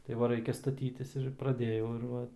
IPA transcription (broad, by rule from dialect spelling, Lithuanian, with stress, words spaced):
tɐɪ ˈʋɐ ˈrɐɪkʲɛ stɐˈtʲiːtʲɪs ɪr prɐˈdʲeːjɛʊ ɪr ˈʋɐ